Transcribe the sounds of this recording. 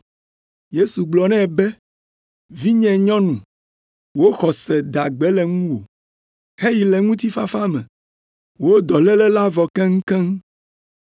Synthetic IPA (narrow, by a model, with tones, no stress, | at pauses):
je˦su˨ɡ͡blɔ˨nɛ̃˦˨bɛ˦ | vi˦ɲɛ̃˨ɲɔ̃˦nũ˨ | wo˦xɔ˨sɛ˨d̪a˨ɡ͡bɛ˦lɛ˨ŋũ˦wo̰˨ | he˦ji˨lɛ˨ŋũ˦t̪i˦fa˦fa˦mɛ̰̃˨ | wo˦d̪ɔ˨lɛ˦lɛ˦la˦vɔ˨kɛ˦ŋ̩˦kɛ̃˦ŋ˦